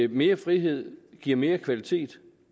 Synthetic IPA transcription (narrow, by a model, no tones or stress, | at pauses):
me̝ːɐfʁiɦe̝ð̞̰ˠɡ̥iɐ̰me̝ːɐkʰʋælit͡sʰe̝̰ːd̥